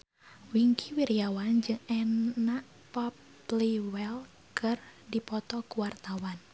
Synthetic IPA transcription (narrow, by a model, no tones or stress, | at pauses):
wiŋkʰiwiɾiawand͡ʒɨŋɛnaʔ | pɔp | liwɛl | kɨrdipɔt̪ɔkuwart̪awan